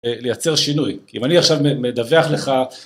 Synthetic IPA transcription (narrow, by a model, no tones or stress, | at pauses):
lejat͡se̞ʁʃinujkiimaniaχʃavmemed̪aveaχle̞χa